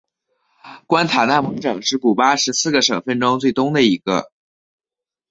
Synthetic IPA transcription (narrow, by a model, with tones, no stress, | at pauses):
kwa˥nt̪ʰa˨˩na˥˩nmwɤ˧˥ŋʈ͡ʂɤ˨˩ŋʂɻ̩˥˩ku˨˩pa˥ʂɻ̩˧˥sɹ̩˥˩ɡə˩ʂɤ˨˩ŋfə˥˩nʈ͡ʂʊ˥ŋt͡swe˥˩ɪt̪ʊ˥ŋd̪ə˨i˧˥ɡ̥ə̰˧